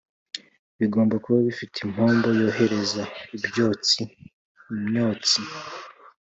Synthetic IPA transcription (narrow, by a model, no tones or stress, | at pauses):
βiɡo̞ːmbakuβaβifitʰim̥hoːmbo̞jo̞ːɦe̞ɾe̞zaibjo̞ːt͡si | umɲoːt͡si